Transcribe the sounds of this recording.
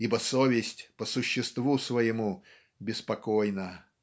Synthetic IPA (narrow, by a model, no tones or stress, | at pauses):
ibəsovʲɪsʲtʲpəsʊɕːɪst̪vusvəjɪmu | bʲɪspɐkojnə